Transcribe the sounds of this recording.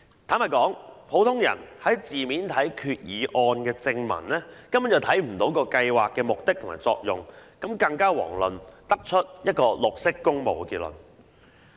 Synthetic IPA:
t̪ʰaː˨˥nmɐ˨kɔː˨˥ŋpʰo˨˥wt̪ʰʊ˥ŋjɐ̰˨˩nhɐ˨˥jt͡siː˨miː˨˥nt̪ʰɐ˨˥jkʰyː˨˧t̚jiː˨˧ʔɔː˧nkɛː˧t͡sɪ˧ŋmɐ̰˨˩nlɛː˥kɐ˥mʊ˦˥njɐ˨˧wt̪ʰɐ˨˥jm̩˨˩t̪o˨˥wkɔː˧kɐ˧jwaː˨kːɛː˧mʊ˨k̚t̪ɪ˥k̚tʰʊ˨˩maː˨˩jt͡sɔ̰ː˧k̚jʊ˨ŋkɐ˨˥mkɐ˧ŋkaː˥wɔ̰ː˨˩ŋlɵ˨nt̪ɐ˥k̚t͡ʃʰɵ˥t̚jɐ˥t̚kɔː˧lʊ˨k̚sɪ˥kːʊ˥ŋmo̰˨wkiː˧t̚lə̰˨˩n

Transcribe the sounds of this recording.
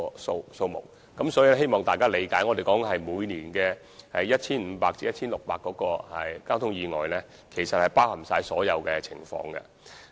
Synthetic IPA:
so˧wso˧wmʊ̰˨˩k̚ːɐ˨˥msɔː˨˥jiː˧lɛ˥he˥jmɔː˨ŋt̪aː˨jkaː˥le˨˧jkaː˨˥jŋɔː˨˧t̪e˨˩jkɔː˨˥ŋɦɐ˨jmuː˨˧jniː˨˩nkɛː˧ | hɐ˨jːɐ˥t̚t͡ʃʰiː˥nm̩ː˨˧paː˧k̚t͡siː˨jɐ˥t̚t͡sʰiː˥nlʊ˨k̚paː˨˧kːɔː˨˥kɔː˧hɐ˨jkaː˥wt̪ʰʊ˥ŋjiː˨˧ŋɔ̰ː˨jlɛ˥ | kʰe˨˩jsɐ˨t̚hɐ˨˩jpaː˥whɐ˨˩msaː˧jsɔː˨˥jɐ˨˧wkɛ˧t͡sʰɪ̰˨˩ŋfɔ̰ː˧ŋɡɛ̰˧

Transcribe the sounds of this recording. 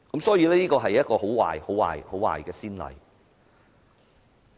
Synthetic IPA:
kɐ˨˦msɔː˨˥jiː˧lɛː˥niː˥kɔː˧ɦɐ˨jːɐ˥t̚kɔː˧ɦo˨˥wwa̰ː˨˩jho˨˥wa̰ː˨˩jho˨˥wa̰ː˨˩jkɛː˧siː˥nlɐ̰˨j

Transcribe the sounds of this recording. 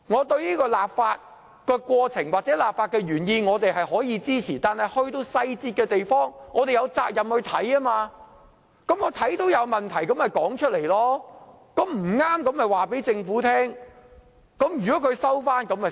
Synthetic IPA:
ŋɔː˨˧t̪ɵ˧ɥniː˥kɔː˧laː˨p̚faː˧t̚ | kɛ˧kʷɔː˧t͡sʰɪ˨˩ŋwaː˨k̚t͡sɛː˨˥laː˨p̚faː˧t̚kɛː˧ɥyː˨˩njiː˧ŋɔː˨˧t̪e˨jɦɐ˨jhɔː˨˥jiː˨˧t͡siː˥t͡sʰiː˨˩t̪aː˨nhɐ˨jhɵ˧ɥt̪o˧wsɐ˧jt͡siː˧t̚kɛː˧t̪e˨jfɔː˥ŋŋɔː˨˧t̪e˨jɐ˨˧wt͡saː˧k̚jɐ˨mhɵ˧ɥt̪ʰɐ˨˥jɐ˥maː˧ | kɐ˨˥mŋɔː˨˧t̪ʰɐ˨˥jt̪o˥wjɐ˨˧wmɐ˨nt̪ʰɐ˨˩jkɐ˨˥mhɐ˨˩jkɔː˨˥ŋt͡ʃʰɵ˥t̚le˨˩jlɔː˥ | kɐ˨˥mm̩˨˩ŋaː˥mkɐ˨˧˥mhɐ˨˩jwaː˨pe˨˥jt͡sɪ˧ŋfuː˨˥t̪ʰɛː˥ŋ | kɐ˨˥mjyː˨kɔː˨˥kʰɵ˨˧sɐ˥wfaː˥nkɐ˨˥mɐ˨

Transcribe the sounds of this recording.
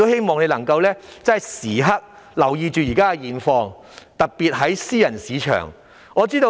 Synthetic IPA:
o˥whe˥jmɔː˨˧ŋne˨˧jlɐ˨˩ŋkɐ˧wlɛː˥t͡sɐ˥nɦɐ˨jsiː˨˩ɦɐ˥k̚ | lɐ˨˩wjiː˧t͡ʃyː˨jiː˨˩kaː˥kɐ˧jiː˨nfɔː˧ŋ | t̪ɐ˨k̚piː˨t̚ɦɐ˨˥jsiː˥jɐ˨˩nsiː˨˧t͡ʃʰœ̰ː˨˩ŋ | ɔː˨˧t͡siː˥t̪o˧

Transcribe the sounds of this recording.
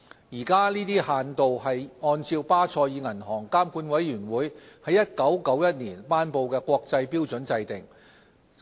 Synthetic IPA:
jiː˨˩kaː˥niː˥t̪iː˥haː˨nt̪o˨whɐ˨jŋɔː˧nt͡siː˧wpaː˥t͡sʰɔː˧jiː˨˧ŋɐ˨˩nɦɔː˨˩ŋkaː˥mkuː˨˥nwɐ˨˥jːyː˨˩nwuː˨˥jhɐ˨˧jːɐ˥t̚kɐ˨˥wkɐ˨˥wjɐ˥t̚niː˨˩npaː˥npo˨wkɛː˧kʷɔː˧k̚t͡sɐ˧jpiː˥wt͡sɵ˨˥nt͡sɐ˧jt̪ɪ˨ŋ

